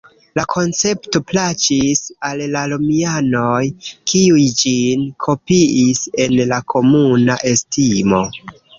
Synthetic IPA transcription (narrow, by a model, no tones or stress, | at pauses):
lakʰo̞nt͡se̞pto̞plat͡ʃisalːalomianojkiujd͡ʒinkʰo̞piise̞nlakʰo̞munaʔe̞stimo̞